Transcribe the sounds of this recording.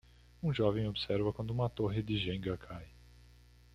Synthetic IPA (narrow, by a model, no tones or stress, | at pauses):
ũʒɔvẽj̃obɪsɛɾvɐkwɐ̃nd̪ʊũmɐt̪oɦɪd̪ɪʒẽŋɡɐkʰaj